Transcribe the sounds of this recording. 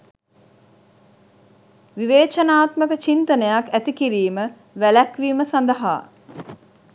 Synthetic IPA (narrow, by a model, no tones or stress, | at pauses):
ʋiʋeːt͡ʃənaːt̪məkət͡ʃint̪ənəjakæt̪ikiɾiːmə | ʋælækʋiːməsand̪əɦa̰ː